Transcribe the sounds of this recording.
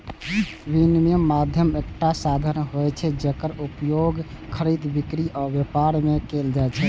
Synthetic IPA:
binmemad̪ʱjəmek̚ʈasad̪ʱənɦojt͡ʃʰɛd͡ʒekəɾupjoɡ | kʰəɾid̪bikɾiʔɔbjepaɾmekeld͡ʒaet͡ʃʰɛ

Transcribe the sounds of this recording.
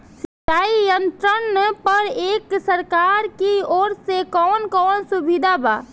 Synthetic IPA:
sɪʈ̪aːijənt̪ɾənːəpəɾeːksəɾkaɾkioːɾsekɔːnkɔːnsubid̪ʱaba̰ː

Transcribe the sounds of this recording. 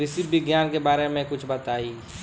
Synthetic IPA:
ɾɪsibɪɡjaːnkebaːɾemẽkʊt͡ʃʰbɐt̪aːiː

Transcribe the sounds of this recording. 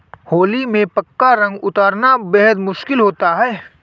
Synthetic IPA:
hoːlimẽpɐkːaɾɐ̃ŋɡʊt̪aːɾnabɛɦəd̪mʊʃkɪlɦoːt̪aɦɛː

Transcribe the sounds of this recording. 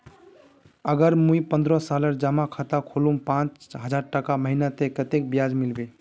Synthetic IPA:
əɡəɾmujpənd̪ɾɔsaləɾd͡ʒamakʰat̪akʰolumpãt͡ʃɦəd͡ʒaɾʈəkaməɦinat̪ekət̪ek̚bjad͡ʒmilbe

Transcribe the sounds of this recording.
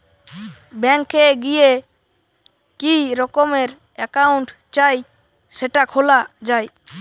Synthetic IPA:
bɛŋkʰːeɡije | kiɾɔkɔmeɾ | ɛkauɳʈ | t͡ʃaj | sɛʈakʰholad͡ʒaj

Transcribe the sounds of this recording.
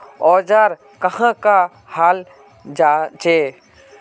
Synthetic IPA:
ɔːd͡ʒaːɾ | kəhãka | haːl | d͡ʒat͡ʃe

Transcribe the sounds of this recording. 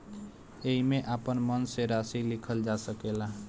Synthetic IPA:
eɦimeʔapənmənseɾasilikʰəld͡ʒasəkela

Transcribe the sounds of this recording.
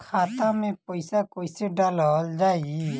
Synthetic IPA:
kʰaːt̪ãmẽpɔɪsakoɪseɖalɔld͡ʒaːiɡi

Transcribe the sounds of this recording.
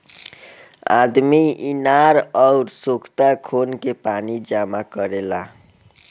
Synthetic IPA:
a̰d̪miinaɾɔʊɾsokʰt̪akʰonkepanid͡ʒamakəɾela

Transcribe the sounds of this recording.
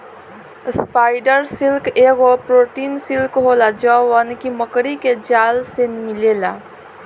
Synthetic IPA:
spaːɪɖəɾsɪlkeːɡopɾoːʈiːnsɪlkɦolad͡ʒɔʋənkiməkɽiked͡ʒaːlsenmɪleːlaː

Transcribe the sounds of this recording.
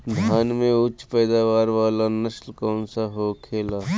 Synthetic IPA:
d̪ʱjaːnmẽʊt͡ʃːpɛːd̪aːʋaːɾʋaːlanəʃlkɔːnsaɦokʰeːlaː

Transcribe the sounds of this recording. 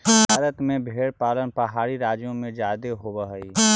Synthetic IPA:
bʱaːɾət̪mẽbʱeːɽpaːlənpəɦaːɾiɾaːd͡ʒjõmẽd͡ʒaːd̪eɦobəɦəiː

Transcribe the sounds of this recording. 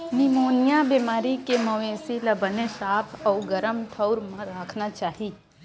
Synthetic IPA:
nimoːnjabemaːɾikeməʋesiləbənesapʰəũɡəɾəmʈ̪ʰəwɾmãɾaːkʰnat͡ʃaːɦi

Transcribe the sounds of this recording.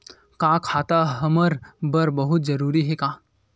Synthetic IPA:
kãːkʰaːt̪aɦɐməɾbəɾbɐɦʊt̪̚d͡ʒɐɾuːɾiɦɛkãː

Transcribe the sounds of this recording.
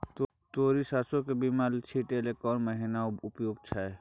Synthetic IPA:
t̪ | t̪oːɾisaːsokebimalt͡ʃʰiʈelekɔːnməɦinaʊpjoːɡt͡ʃʰa

